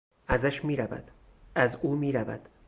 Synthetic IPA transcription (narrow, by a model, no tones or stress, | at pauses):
æzæʃmiːɾævæ̰d̪̥ | æzuːmiːɾævæ̰d̪̥